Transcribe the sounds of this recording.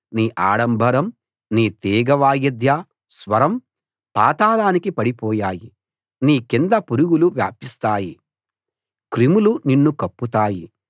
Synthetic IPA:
niːʔaːɽɐmbʱɐɾɐm | niːt̪iːɡɐʋaːjɐd̪ja | sʋɐɾɐm | paːt̪aːlaːnikipɐɽipɔːjaːji | niːkind̪ɐpuɾuɡuluʋja̰ːpist̪aːji | kɾimuluninːukɐpːut̪aːji

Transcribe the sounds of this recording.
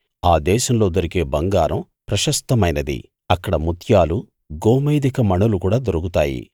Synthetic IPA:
aːd̪ɛːʃɐmlo̞ːd̪ɐɾike̞ːbɐŋɡaːɾʔɐm | pɾɐʃɐst̪ɐmɐjnɐd̪ḭ | ɐkːɐɽɐmut̪ʰjaːlu | ɡoːmeːd̪ikɐmɐɳulukuːɽaːd̪oɾukut̪aːjḭ

